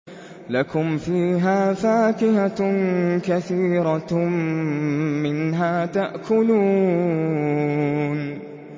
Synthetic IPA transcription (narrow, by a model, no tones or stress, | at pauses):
lakʊmfiːɦaːfaːkɪha | kaθiːɾa | ɪnɦaːt̪aʔkʰʊluː | n